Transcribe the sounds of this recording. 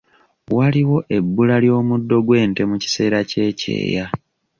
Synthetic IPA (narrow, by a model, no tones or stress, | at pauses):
waliwo̞ʔe̞bːulaljo̞ːmudːo̞ɡwe̞ːnte̞muci̥se̞ːɾace̞ːcḛːja